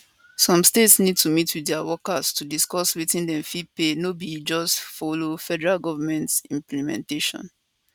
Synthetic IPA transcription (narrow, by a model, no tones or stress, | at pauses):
sɔ̃mstetsnid̚tumitwidɛawɔkastudiskɔswitĩndɛ̃mfipenobid͡ʒɔstfɔlofɛdɛɹalɡɔvamɛ̃ntsĩmplimɛ̰̃nteʃɔ̰̃n